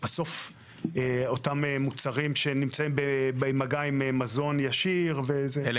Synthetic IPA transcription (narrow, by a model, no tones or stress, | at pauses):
b̥aso̞f | eo̞tamemut͡saʁimʃenimt͡saimbebejmaɡaimemazo̞njaʃiʁveze